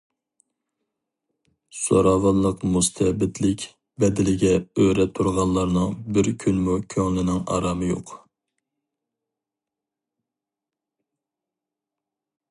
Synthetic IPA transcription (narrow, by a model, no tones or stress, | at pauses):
so̰ɾɑːwɑnlˠəqmust̪ʰɛbɪt̪ʰlɪkʲ | bɛd̪ɪlɪɡʲɛøɾɛt̪ʰːuɾʁɑlˠːɑɾnɨŋbɪɾkʲʰynmukʲʰøŋlɪnɪŋɑ̰ɾɑːmɨjo̰q